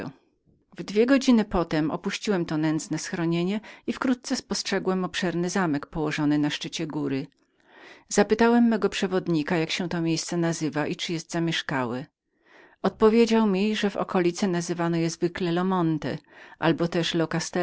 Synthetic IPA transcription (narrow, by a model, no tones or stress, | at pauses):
vd̪vʲjɛɡɔd͡ʑinɘpɔt̪ɛmɔ̰puɕt͡ɕiwɛmt̪ɔnɛnd̪znɛsxɾɔɲeɲɛifkɾut̪̚t̪sɛspɔstʂɛɡwɛmɔpʂɛɾnɘzamɛkpɔwɔʐɔnɘnaʂt͡ʂɘt͡ɕɛɡuɾɘ | z̥apɘt̪awɛmːɛɡɔpʂɛvɔd̪ɲikajakɕɛ̃t̪ɔmʲjejst̪sɛnazɘvaʔit͡ʂɘjɛst̪zamʲjɛʂkawɛ | ɔt̪̚pɔvʲjed͡ʑawmʲiʐɛvɔ̰kɔlʲit̪sɛnazɘvanɔjɛzvɘklɛlɔmɔnt̪ɛ̰ʔa̰lbɔt̪ɛʂlɔkast̪ɛ